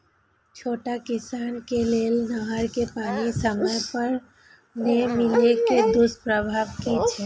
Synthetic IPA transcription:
t͡ʃʰoːʈakɪsaːnkeleːlnəɦəɾkepaːnisəməjpəɾ | nemɪleked̪ʊspɾəbʱaːʋkit͡ʃʰɛː

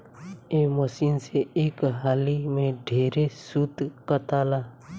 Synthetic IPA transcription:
eːməsiːnseeːkɦaːlimẽɖʱeːɾesʊt̪kət̪aːlaː

